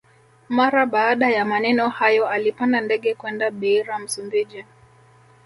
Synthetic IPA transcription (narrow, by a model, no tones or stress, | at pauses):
maɾaɓaːɗajamanɛnɔhajɔalipandandɛɠɛkwɛndaɓiɾam̩sumbid͡ʒi